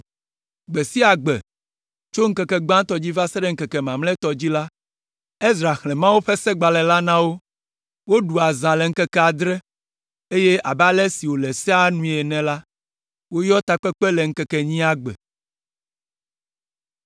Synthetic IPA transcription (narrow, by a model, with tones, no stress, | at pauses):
ɡ͡be˨si˦a˨ɡ͡bɛ̰˨ | t͡ʃo˦ŋ̩˦kɛ˦kɛ˦ɡ͡bã˦t̪ɔ˨d͡ʑi˦va˦sɛ˦ɖɛ˦ŋ̩˦kɛ˨kɛ˨mã˨mlɛ̃˦t̪ɔ˨d͡ʑi˦la˦ | e˦zɾa˨xlɛ̃˨mã˦wu˦ɸe˦sɛ˦ɡ͡ba˨lɛ˨la˦nã˦wo˦ | wo˦ɖu˨a˨zã˨le˨ŋ̩˦kɛ˦kɛ˦a˨d̪ɾɛ˦ | e˦je˦ʔa˨ba˦lɛ˦si˨wo˨lɛ˨sɛ˦a˦nũ˦˨ɛ˨nɛ̃˨la˦ | wo˦jɔ˦t̪a˨k͡pɛ˦k͡pɛ˦le˨ŋ̩˦kɛ˦kɛ˦ɲĩ˦a˦ɡ͡bɛ̰˨